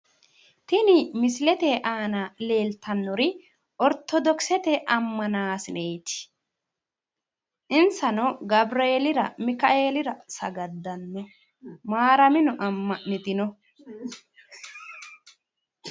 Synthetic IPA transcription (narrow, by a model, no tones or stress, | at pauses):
t̪ɪnɪmɪsɪlɛt̪eʔaːnale̞ːlt̪ɐnːɔɾɪ | ʔɔɾt̪ɔd̪ɔksɛt̪ɛʔɐmːɐnaːsɪneːt̪ɪ̥ | ʔɪnsɐnɔɡɐbɾeːlɪɾɐmɪkɐʔeːlɪɾɐsɐɡɐd̪ːɐnːɔ | maːɾɐmɪnʊʔɐmːɐʔnɪt̪ɪnɔ